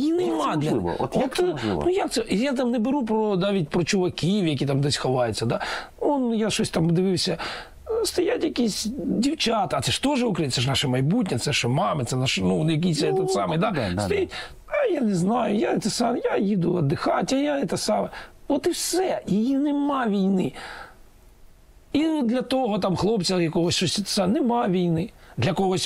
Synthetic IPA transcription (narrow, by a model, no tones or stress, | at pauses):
jjinemad̪lʲɐ̰jat̪ɔnujakt̪ɛʔijat̪̬amnɛbɪɾup̬ɾɔd̪aʋʲit̚ʲpɾɔt͡ʃʊʋɐkʲiwjɐkʲit̪amd̪ɛsʲxɐʋɑjʊtʲt͡sʲːɐd̪aɔnjaʃɔsʲt̪amd̪ɪʋɪwsʲɐ | st̪ɐjatʲjɐkʲisʲdʲiwt͡ʃat̪ɐt̪sɛʂt̪ɔʒɛʊkɾɪjt̪sɛʃnɑʃɛmɐjbut̬̚ʲnʲɐt̪sɛʃɔmɑmɪt̪sɛnaʃnunjɐk̬ijsʲt̪ɔt̪sɑmɪjd̪at̪ɐjitʲ | ɐjaneznɑjʊjat̪sɛsɑmjajid̪ʊɐd̪ːɪxɑtʲɐjaɪt̪asɑmɐɔt̪ɪwsɛjɪjinɛmaʋʲijnɪ | id̪lʲɐt̪ɔɦɔt̪amxlˠɔpt͡sʲɐjɐkɔɦɔsʲʃɔsʲt̪sanɛmɑʋʲijnɪ | d̪lʲɐkɔɦɔsʲ